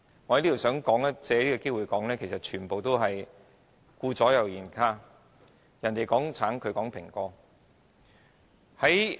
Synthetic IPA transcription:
ŋɔː˨˧˩ɐ˨˦liː˥t̪ːsœː˨˥ŋkɔː˨˥ŋɐ˥t͡sɛː˨˧liː˥kɔː˧ke˥jwuː˨˩jkɔː˨˥ŋlɛː˥kʰsɐ˨˩t̚t͡ʃʰyː˨˩npo˨wt̪o˥wɦɐ˨j | kuː˧t͡sɔː˨˥jɐ˨wjiː˨˩nkʰaː˧ | jɐ˨˩nt̪e˨jkɔː˨˥ŋt͡sʰaː˨˥nkʰɵ˨˧ɥkɔː˨˥ŋpʰɪ˨˩ŋkɔː˧ | hɐ˨˥j

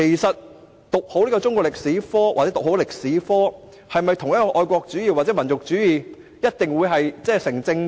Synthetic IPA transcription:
e˨˩jsɐ˨t̚ | t̪ʊ˨k̚ho˨˥wliː˥kɔː˧t͡sʊ˥ŋkʷɔ˧˥lɪ˨k̚siː˨˥fɔː˥wa̰ː˨t͡sɛː˨˦˥ʊ˨ho˨˥wlɪ˨k̚siː˨˥fɔː˥ | hɐ˨jmɐ˨jt̪ʰʊ˨˩ŋjɐ˥tkɔː˧ʔɔː˧jkʷɔː˧k̚t͡syː˨˥jiː˨˧waː˨t̚t͡sɛ˨˦˥mɐ˨˩nt͡sʊ˨k̚t͡ʃyː˨˥jiː˨˩ | jɐ˥t̚t̪ɪ˨ŋwu˨˧jɦɐ˨jt͡sɛː˥˩sɪ˨˩ŋt͡sɪ˧ŋ

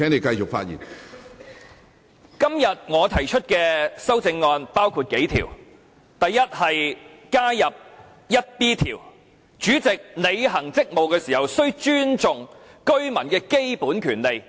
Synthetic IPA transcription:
ɛ˨˥ne˨˧jkɐ˧jt͡ʃʊ˨kfa̰ː˧t̚jḭ˨˩n | kɐ˥mjɐ˨t̚ŋɔː˨˧t̪ʰɐ˨˩jt͡ʃʰɵ˥t̚kɛː˧sɐ˥wt͡sɪ˧ŋːɔː˧npaː˥wkʰuː˨˧t̚ke˨˥jt̪ʰḭː˨˩w | t̪ɐ˨jːɐ˥t̚hɐ˨j | kaː˥jɐ˨p̚ | jɐ˥t̚piː˥t̪ʰiː˨˩w | t͡ʃyː˨˥t͡sɪ˨k̚ne˨˧jɦɐ˨˩ŋt͡sɪ˥k̚mo˨wkɛː˧siː˨hɐ˨wsɵ˥ɥt͡ʃyː˥nt͡sʊ˨ŋkɵ˥ɥmɐ˨˩nkɛː˧ke˥jpuː˨˥nkʰyː˨˩nle˨j

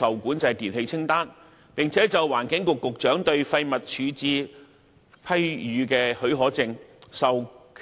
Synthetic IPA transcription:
ɐ˨wkuː˨˥nt͡sɐ˧˥jt̪iː˨nhe˧jt͡sʰɪ˥ŋt̪aː˥n | pɪ˨ŋt͡sʰɛː˨˥t͡sɐ˨waː˨˩nkɪ˨˥ŋkʊ˨kːʊ˨k̚t͡ʃœː˨˥ŋt̪ɵ˧ɥfɐ˧jmɐ˨t̚t͡ʃʰyː˨˥t͡siː˧ | pʰɐ˥jjyː˨˧kɛː˧hɵ˨˥ɥɦɔː˨˥t͡sɪ˨˧ŋsɐ˨wkʰ

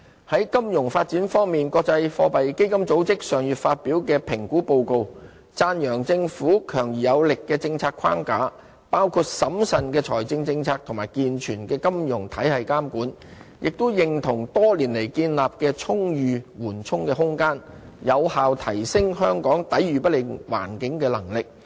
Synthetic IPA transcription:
hɐ˨˥jkɐ˥mjʊ˨˩ŋfaː˧t̚t͡siː˨˥nfɔː˥ŋmiː˨˩nkɔː˧k̚t͡sɐ˧jfɔː˧pɐ˨jke˥jkɐ˥mt͡so˨˥wt͡sɪ˥k̚sœː˨˩ŋjyː˨t̚faː˧t̚piː˨˥wkɛː˧pʰɪ˨˩ŋkuː˨˥po˧wko˨˧w | t͡saː˧njœː˨˩ŋt͡sɪ˧ŋfuː˨˥kʰœː˨˩ŋjyː˨˩jɐ˨˧wlɪ˨kːɛː˧t͡sɪ˧ŋt͡sʰaː˧t̚kʰwa̰ː˥ŋkaː˨˥ | paː˥wkʰuː˧t̚sɐ˨˥msɐ˨nkɛː˧t͡ʃʰɔː˨˩jt͡sɪ˧ŋt͡sɪ˧ŋt͡sʰaː˧k̚t̪ʰʊ˨˩ŋmaː˨˩jkiː˧nt͡ʃʰyː˨˩nkɛː˧kɐ˥mjʊ˨˩ŋt̪ʰɐ˨˥jhɐ˨jkaː˥mkuː˨˥n | jʔɪ˨k̚t̪ʊ˥jɪ˨ŋt̪ʰʊ˨˩ŋt̪ɔː˥liː˨˩nle˨˩jkiː˧nlaː˨p̚kɛː˧t͡sʰʊ˥ŋjyː˨˧wuː˨˩nt͡sʰʊ˥ŋkɛː˧ɦʊ˥ŋkaː˥n | jɐ˨˧whaː˨wt̪ʰɐ˨˩jsɪ˥ŋɦœː˥ŋkɔː˨˥ŋt̪ɐ˨˥jɥyː˨pɐ˥lɪ˨ŋwa̰ː˨˩nkɪ˨˥ŋkɛː˧lɐ˨˩ŋlɪ˨k̚

